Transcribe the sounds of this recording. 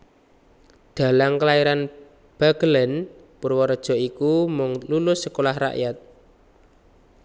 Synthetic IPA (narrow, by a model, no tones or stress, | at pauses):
d̪̥ä̤laŋkəlaiɾan | b̥aɡəlɛn | pʊrwɔɾɔd̥ʒ̥ɔ̤ikumɔŋnunʊsːəkolahra̰ʔjat̪̚